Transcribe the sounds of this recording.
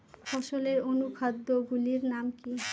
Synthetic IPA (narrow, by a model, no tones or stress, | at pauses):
fɔʃoleɾonukʰad̪ːoɡuliɾnamki